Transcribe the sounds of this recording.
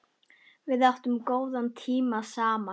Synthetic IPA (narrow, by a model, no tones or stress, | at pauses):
vɪðaht̪ʏmkoːwðant̪ʰiːmasaːma